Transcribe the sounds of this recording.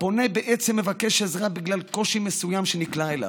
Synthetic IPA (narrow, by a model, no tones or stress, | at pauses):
po̞nebeʔet͡semːevakeʃezʁabiɡlalko̞ʃimesujamʃeniklaela̰